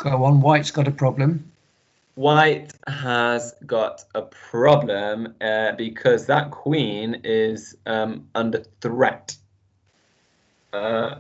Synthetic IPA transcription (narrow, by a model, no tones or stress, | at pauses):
ɡ̥oʊə̃nwaɪtsɡ̥ɒɾəpʰɹ̥ɒblə̃m | waɪthəzɡɒtəpʰɹ̥ɒblə̃mʌbɪkʰɒzðəʔkʰw̥ĩːnɪzʌ̃mʌ̃ndəθɹɛt | ʌ